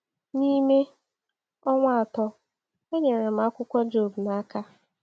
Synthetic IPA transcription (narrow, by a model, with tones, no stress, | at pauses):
ni˦me˦ | ɔ˦ŋʷa˨a˨tɔ˦ | o˦ɲe˨ɾe˨m̩˨˦a˦kʷʊ˦kʷɔ˦d͡ʒo˨bna˦ka˦